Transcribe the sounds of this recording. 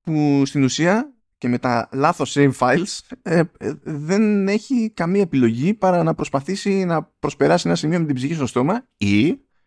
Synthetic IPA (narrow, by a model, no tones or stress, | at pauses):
pust̪inusiɐ | ce̞me̞t̪ɐlɐθo̞sejvfɐjlseðe̞ne̞çikɐmiɐe̞pilo̞ʝipɐɾɐnɐpɾo̞spɐθisinɐpɾo̞spe̞ɾɐsienɐsimio̞met̪ibziçist̪o̞st̪o̞mɐi